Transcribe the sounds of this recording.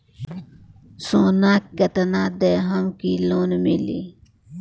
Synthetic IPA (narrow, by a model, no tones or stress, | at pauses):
soːnaːkkɐt̪ɐnaːd̪eːɦɐmkiloːnmilḭ